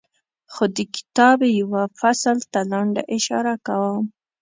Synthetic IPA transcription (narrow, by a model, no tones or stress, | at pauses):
xod̪əkɪ̥t̪ɑbejawafaslt̪alaɳɖa̰ʔɪʃɑ̰ɾakawəm